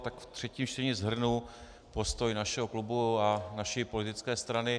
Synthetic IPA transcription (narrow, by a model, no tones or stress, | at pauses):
t̪akft̪r̝̥ɛciːmt͡ʃtɛɲɪzɦr̩nu | po̞st̪o̞jnaʃɛɦoklubuanaʃipo̞lɪt̪ɪt͡skɛːst̪ɾanɪ